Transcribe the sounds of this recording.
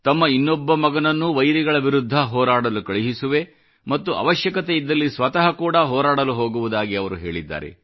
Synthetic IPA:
t̪ɐmːɐinːɔbːɐmɐɡɐnɐnːuʋɐjɾiɡɐɭɐʋiɾud̪ʱːɐɦɔːɾaːɽɐlukɐɭiɦisuʋe̞ | mɐt̪ːuʔɐ̰ʋɐʃjɐkɐt̪eid̪ːɐlːisʋɐt̪ɐɦɐkuːɽɐɦɔːɾaːɽɐluɦoːɡuʋud̪aːɡiɐʋɐɾuɦe̞ːɭid̪ːa̰ːɾḛ

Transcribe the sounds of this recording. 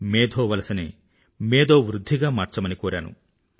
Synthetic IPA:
meːd̪ʱoːʋɐlɐsɐnḛ | meːd̪oːʋɾud̪ʱːiɡaːmaːɾt͡ʃɐmɐnikoːɾja̰ːnṵ

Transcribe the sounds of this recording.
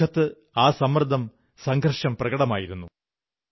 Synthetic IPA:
ɐt̪ːɨ | aːsɐmrd̪ʱːɐm | sɐŋɡʱɐrʂɐmprɐɡɐɽɐmaːjiɾunːu

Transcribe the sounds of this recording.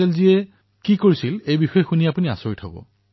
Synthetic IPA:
ɛlziɛ | kikoɹisilejbixɔjɛxuniapunia̰soɹitʰɔ̰bɔ̰

